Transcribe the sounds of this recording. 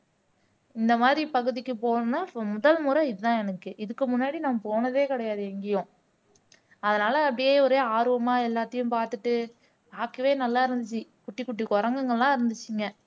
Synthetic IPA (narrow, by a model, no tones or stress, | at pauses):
ɪnd̪ɐmaːðɾipɐɣɯðɪkːɯpoːnaːmʊðɐlmuːɾɐ̃ɪðɯðãːɛnɯkːɯʔɪðɯkːɯmʊnːaːɽinaːmpoːnɐðeːkɪɽɐjaːðɯɛŋɡɪjõː | ɐðɐnaːlɐɐpːɐɽɪjeːɔɾeːaːɾɯʋɐmaːɛlːaːt̪ːɐjʊ̃mpaːɾt̪ɯʈːɯ | baːkːɯʋeːnɐlːaːɪɾɯnd̪ɯt͡ʃːikʊʈːikːʊʈːikɔɾɐŋɡɐŋɡɐɭlãːɪɾɯnd̪ɯt͡ʃːɪŋɡɐ